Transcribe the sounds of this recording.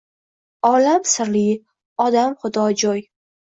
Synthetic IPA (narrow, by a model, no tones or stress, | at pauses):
ɒlamsɪɾlɪ | ɒd̪amχʊd̪ɒd͡ʒɒj